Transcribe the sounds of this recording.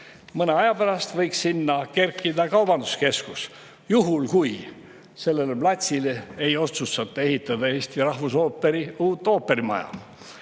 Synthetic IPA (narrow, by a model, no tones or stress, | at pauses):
mɤneɑjɑpæɾɑst̪vɤjksːinːɑke̞rkːˑid̪ɑkɑwb̥ɑnd̪uske̞skus | juɦulkuj | se̞lːe̞leplɑt̪ʲsileejo̞t̪sust̪ɑt̪ːˑe̞hit̪ːˑɑd̪ɑe̞ːst̪irɑhvusoːpːeɾiuːt̪ːˑo̞ːpːe̞ɾimɑ̰jɑ̰